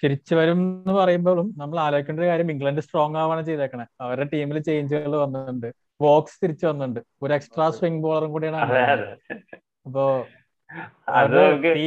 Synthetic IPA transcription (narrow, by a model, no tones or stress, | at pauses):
t̪iɾit͡ɕːɨʋɐɾumenːɨpɐrɐjumbo̞ːɭumnɐmːɐɭaːlo̞ːikʲːuɳɖoɾekaːɾjɐmiŋɡɭɐnɖɨsʈro̞ːŋːaːʋaːɳt͡ɕejtðɐkːɐɳeɐʋɐɾɽeʈiːmilt͡ɕe̞jiɲt͡ɕiɣɐɭɨʋɐnːɳɖɨ | ʋo̞ːksɨ̥t̪iɾit͡ɕːɨʋɐnːuɳɖɨ | oɾeksʈraːsriŋbo̞ːɭɐruŋkuːɽijaːɳaːɳ | ɐpːo̞ː | ɐɐɐeiː